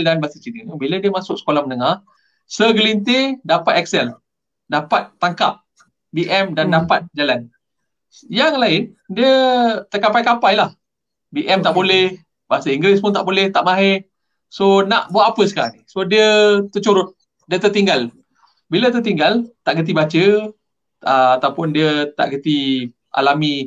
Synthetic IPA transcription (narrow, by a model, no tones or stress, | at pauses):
ldanbasət͡ʃiɾəbilədiəmasʊʔ̚sə̥kolahmənəŋah | səɡəlint̪edapat̪ɛk̚sɛl | dapat̪ːaŋkap̚ | biʔɛmdandapat̪̚d͡ʒalan | jaŋlaɪndiət̪ərkapajkapajlah | biʔɛmt̪aʔbolɛh | baɦasəiŋɡɾespʊnt̪aʔbolɛht̪aʔmaɦe | sonaʔbuaʔapəsə̥kaɾa̰nsodiət̪ət͡ʃuɾʊt̪̚ | diət̪ət̪iŋɡal | bilət̪ət̪iŋɡalt̪aʔɡət̪̬ibat͡ʃə | əat̪awpʊndiət̪a̰ʔɡət̪i | ʔa̰lami